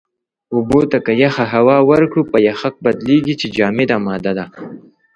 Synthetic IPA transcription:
ubot̪akajaxaɦawɑwəɾkɽupajaxak̚bad̪leɡit͡ʃed͡ʒɑːmed̪aːmɑd̪ad̪a

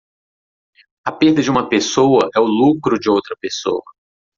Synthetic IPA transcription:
ɐpeɾd̪ɐd͡ʒɪũmɐpesowɐʔɛʊlukɾʊd͡ʒɪowt̪ɾɐpeso̰wɐ

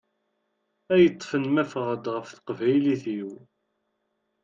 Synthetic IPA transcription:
æjət̪ˤːfənmæfʁəd̪ʁəfθə̥qvæjliθiw

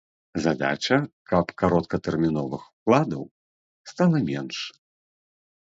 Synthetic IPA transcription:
zad̪a̰t͡ʂɐkʰɐpkaɾɔt̪̚kɐt̪ɛrmʲinɔvɨxu̥klˠad̪ɐw | st̪alˠɐmʲɛnʂ

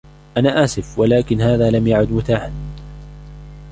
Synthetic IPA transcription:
ʔanaːʔaːsɪfwalaːkɪnɦaːðaːlamjaʕʊd̪mʊt̪aːħan

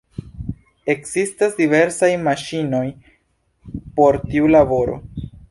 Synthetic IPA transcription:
e̞kz̥istasdive̞ɾsajmaʃino̞j | po̞ɾtiulabo̞ɾo̞̰

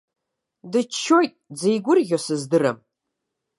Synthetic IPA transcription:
dɨt͡ʃʰːojtʼd͡zejɡʷʊrɣʲosɨzdɨrɐ̰m

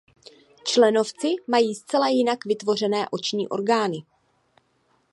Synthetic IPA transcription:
t͡ʃlɛno̞ft͡sɪmajiːst͡sɛlajɪnakvɪt̪vo̞r̝ɛnɛːʔo̞t͡ʃɲḭːʔo̞̰ɾɡaːnɪ

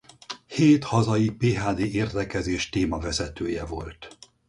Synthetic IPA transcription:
heːt̪hɒzɒjipeːɦaːd̪ieːrd̪ɛkɛzeːʃt̪eːmɒvɛzɛt̪øːjɛvo̞̰lt̪

